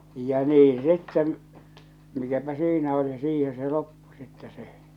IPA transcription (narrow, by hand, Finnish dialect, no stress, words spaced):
jɑ niː sitːen mikæpæ siːnæ oli siːhẽː se lopːu sitːɛ se